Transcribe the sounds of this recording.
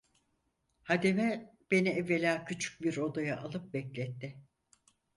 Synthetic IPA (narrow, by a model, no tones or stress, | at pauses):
had̪emɛb̥e̞niɛvːe̞lʲaːcʰyt͡ʃʰy̥c̚biɾo̞d̪ajaʔalˠɯp̚bɛclʲɛt̪ːɪ